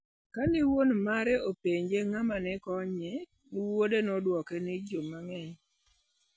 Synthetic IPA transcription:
kanɪwonmaɾɛʔopeɲd͡ʒeŋamanɛkɔɲɛ | wodenɔdwɔkɛnɪd͡ʒomaŋɛɲ

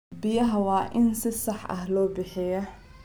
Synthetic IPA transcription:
bɪjɐɦɐwɑːʔɪnsɪsɑħʔɐ̰ɦlɔːbɪħɪjɐ

